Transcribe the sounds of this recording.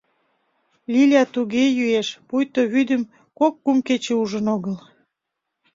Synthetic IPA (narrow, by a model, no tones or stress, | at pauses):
lʲilʲɑt̪uɣejyeʃpujt̪oβyd̪ə̆m | kokːumket͡ɕeuʒənoɣəl